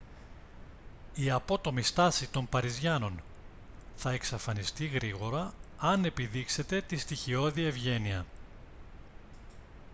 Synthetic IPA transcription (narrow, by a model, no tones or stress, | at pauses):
iɐpo̞t̪o̞mist̪ɐsit̪o̞mpɐɾizʝɐno̞n | θɐe̞ksɐfɐnist̪iɣɾiɣo̞ɾɐɐne̞piðikse̞t̪e̞t̪ist̪içio̞ðievʝe̞niɐ